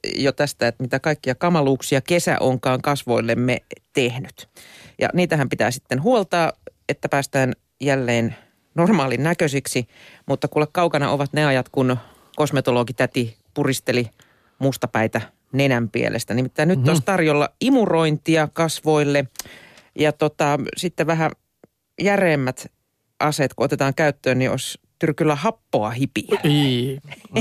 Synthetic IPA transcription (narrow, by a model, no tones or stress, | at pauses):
jot̪æst̪æet̪mit̪ækɑikːiɑkɑmɑluːksiɑkesæ̰ʔoŋkɑːŋkɑsʋo̞ilːemːet̪ehnyt̪jɑ̰niːt̪æɦæmpit̪æ̰ːsit̪ːenɦuolt̪ɑːet̪ːæpæːst̪æːn | jælːeːn | normɑːlinnækøsiksimut̪ːɑkulːekkɑukɑnɑ̰ʔoʋɑt̪neɑjɑt̪kun | kosmet̪olokit̪æt̪i | purist̪eli | must̪ɑpæit̪æ | nenæmpiḛlʔḛst̪ænimit̪ːæinnyt̪ːost̪ɑrjolːɑ̰imuroint̪iɑkɑsʋoilːe | jɑt̪ot̪ɑsit̪ːeʋæɦæ | jæreːmːæt̪ | ʔɑset̪kuot̪et̪ɑːŋkæyt̪ːøːnnio̰st̪yrkylːæhɑpːoɑhipiælː